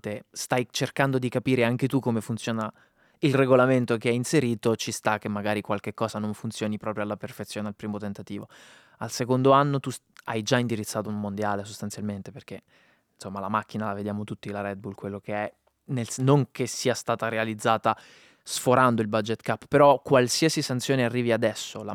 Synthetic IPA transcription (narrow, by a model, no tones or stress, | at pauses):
t̪est̪ajt͡ʃerkand̪od̪ikapiːɾeaŋket̪ukːomefunt̪sjoːna | ilreɡolament̪okeɛinseɾiːt̪ot͡ʃist̪akːemːaɡaːɾikwalk̟ekːɔːsanoɱfunt̪sjoːnipɾɔːpɾjoalːaperfet̪sːjoːnealpɾiːmot̪ent̪at̪iːvo̰ | alsekond̪oanːot̪usa̰jd͡ʒaind̪iɾit̪sːaːt̪oummond̪jaːlesost̪ant̪sjalment̪eperk̟e | nsomːalamak̟ːinalaved̪jaːmot̪ut̪ːilaɾɛd̪̚bulkwelːokeɛ | nelnoŋkesiːast̪aːt̪aɾealid̪zːaːt̪a | sfoɾand̪oilbad͡ʒet̪ːkapːpeɾɔkwalsiasisant̪sjoːnearːiːviad̪ɛsːola